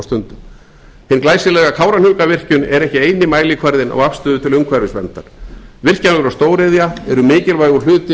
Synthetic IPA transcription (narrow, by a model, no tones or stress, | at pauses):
st̪ʏnt̪ʏm | hɪnklaːjsɪlɛːɣakʰaːwɾan̥ʏːkavɪr̥cʏnɛɾɛhcɪeːjnɪmaːjlɪkʰvaɾðɪnʔɔ̰ɣafst̪ʏːðʏt̪ʰɪlʏmkʰvaɾvɪspɛmt̪aɾ̥vɪr̥canʏʏɾawst̪oːwɾɪðjaɛɾʏmɪːcɪlvajɣʏ̥l̥ʏːt̪ɪ